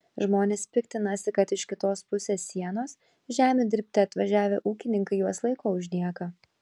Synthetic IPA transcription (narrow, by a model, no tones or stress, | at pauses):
ʒmoːnʲeːspʲɪkt̪ʲɪnɐsʲɪkɐt̪ɪʃkʲɪt̪oːspʊsʲeːsːʲiɛnoːs | ʒʲæːmʲud̪ʲɪɾʲpʲt̪ʲɪɐt̪ʋɐʒʲæːʋʲḛʔuːkʲɪnʲɪŋkɐɪjuɔslˠɐɪkoːʊʒʲd̪ʲiɛkɐ